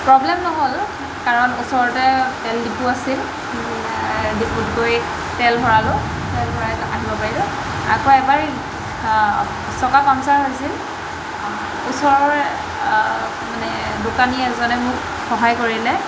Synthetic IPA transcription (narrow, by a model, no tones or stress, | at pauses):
pɹɔblɛmnɔɦol | kaɹɔnusɔɹɔtɛtɛldipuasil | diputkoj | tɛlbʱɔɹalʊ | tɛlbɔɹaa̰ɦibɔpaɹilʊ | a̰koɛbaɹ | sɔkakamsaɹɦojsil | ʊsɔɹɔɹ | manɛ | dʊkaniɛzɔnɛmʊk | xɔɦajkoɹilɛ